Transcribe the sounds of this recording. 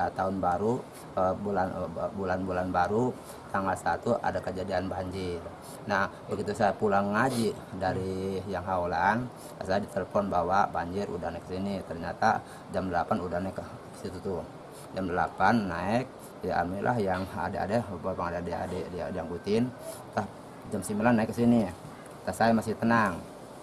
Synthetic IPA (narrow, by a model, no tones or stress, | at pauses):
t̪aʊnbaɾu | bulanbulanbulanbaɾu | t̪aŋɡalsat̪uʔa̰dakəd͡ʒadianbaɲd͡ʒɪr | nahbəɡit̪usajapulaŋːad͡ʒi | daɾijaŋɦaolan | sajadit̪eləfɔnbawabaɲd͡ʒɪrṵdanɛksinit̪ərɲat̪a | d͡ʒamdəlapanudahnɛkə | sit̪ut̪u | d͡ʒamdəlapanːaɪk̚ | jaʔa̰milʔa̰ɦjaŋa̰dɛa̰dɛapaŋadadɛa̰dɛdia̰diaŋɡut̪ɪnt̪a | d͡ʒamsimilanːaɪkːəsini | t̪asajamasɪht̪ənaŋ